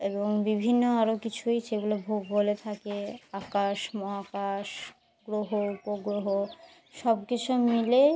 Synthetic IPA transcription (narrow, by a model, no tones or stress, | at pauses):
eboŋbibʱinːoaɾokit͡ɕʰujt͡ɕeɡulebʱoɡɡolet̪ʰakeakaʃmɔɦakaʃ | ɡɾoɦoupoɡɾoɦo | ʃɔbkit͡ɕʰumile